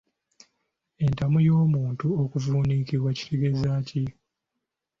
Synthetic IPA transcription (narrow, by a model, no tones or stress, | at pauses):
e̞ntamujo̞ːmuːntuokuvuːniːkiβwaci̥tʰeɡe̞zaci